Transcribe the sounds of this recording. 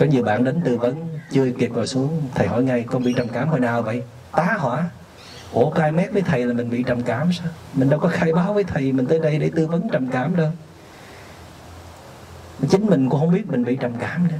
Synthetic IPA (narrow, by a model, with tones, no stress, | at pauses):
kɔ˨˦ɲi˨˩əwɓa̰ː˧˨nɗe˨˦nt̪ɨ˧˩və˨˦nt͡ɕɨ˧əki˨˩əp̚vɔː˨˩jsu˨˦əŋt̪ʰə˨˩jɦɔ̰˧˩jŋa˧jkɔ˧nɓḭ˧˨t͡ɕə˨˩mkaː˧˩mhɔ̰˧˨jnaː˨˩wvə̰˧˨j | t̪aː˨˦hwa̰ː˧˩˦ | ko˧˩˦kaː˧jmɛ˦˥t̚vəː˨˦jt̪ʰə˨˩jlaː˨˩mï˨˩ŋ̟ɓḭ˧˨t͡ɕə˨˩mkaː˧˩msaː˧wmï˨˩ŋ̟ɗə˧wkɔ˨˦xaː˧jɓaː˨˦wvəː˨˦jt̪ʰə˨˩jmi˨˩ŋ̟t̪əː˨˦jɗə˧jɗḛ˧˩˦t̪ɨ˧və˨˦nt͡ɕə˨˩mŋ͡mkaː˧˩mɗə˧˨˦ | t͡ɕï˨˦ŋ̟mï˨˩ŋ̟kʊ˧˥ŋ͡mhə˧wŋ͡mɓi˦˥t̚mï˨˩ŋ̟ɓḭ˧˨t͡ɕə˨˩mkaː˧˩mɗɨ˧˦